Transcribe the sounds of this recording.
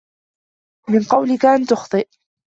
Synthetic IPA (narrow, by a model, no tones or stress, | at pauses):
mɪnqɑwlɪkaʔant̪ʊxt̪ˤɨʔ